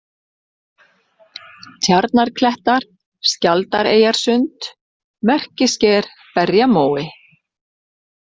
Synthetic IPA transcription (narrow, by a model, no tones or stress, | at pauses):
t̪ʰjaɾt̪naɾ̥kʰlɛht̪aɾ̥ | scalt̪aɾeːjaɾ̥sʏnt̪ | mɛr̥cɪscɛːɾ̥ | pɛɾjamoːwɪ